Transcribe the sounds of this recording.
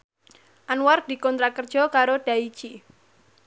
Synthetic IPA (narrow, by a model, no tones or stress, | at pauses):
ʔanward̪̥i̤kɔnt̪ɾakərd̥ʒ̥ɔ̤kaɾoɖ̥a̤it͡ʃi